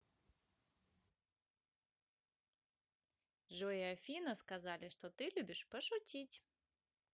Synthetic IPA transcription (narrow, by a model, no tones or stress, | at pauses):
ʐɨvjafʲinɐskazalʲɪʂt̪ɔt̪ɨlʲubʲɪʂpɐʂut͡sʲit͡sʲ